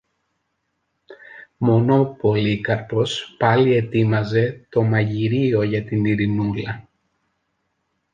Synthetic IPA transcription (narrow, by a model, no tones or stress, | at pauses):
mo̞no̞po̞likɐɾpo̞spɐlie̞t̪imɐze̞t̪o̞mɐʝiɾio̞ʝɐt̪iniɾinulɐ